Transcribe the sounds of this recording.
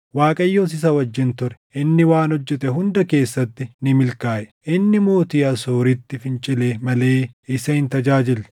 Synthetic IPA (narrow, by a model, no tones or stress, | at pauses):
waːkʼɐjːoːs̬ɪs̬ɐwɐd͡ʒːɪnt̪ʊɾɛ̥ʔɪnːɪwaːnɔd͡ʒːɛt̪ɛɦʊnd̪ɐke̞ːsːɐt̪ːɪnɪmɪlkaːʔɛʔɪnːɪmoːt̪iːɐsoːɾɪt̪ːɪfɪnt͡ʃʼɪleːmɐle̞ːɪsɐɪnt̪ɐd͡ʒaːd͡ʒɪl